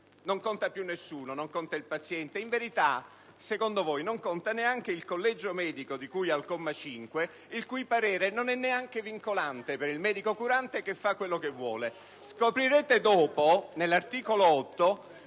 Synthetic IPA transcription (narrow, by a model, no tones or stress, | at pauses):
noŋkont̪apjunːesːuːnonoŋkɔnt̪ailpat̪sjɛnt̪eiɱveɾit̪a | sekond̪ovojnoŋkont̪aneaŋk̟eilkolːɛd͡ʒomɛːd̪ikod̪ikujalkomːat͡ʃiŋkwe | ilkujpaɾɛːɾenonɛnːeaŋk̟eviŋkolant̪epeɾilmɛːd̪ikokuɾant̪ekefːakːwelːokevːwɔ̰ːle | skopɾiɾeːt̪ed̪ɔːponelːart̪iːkoloɔt̪ːo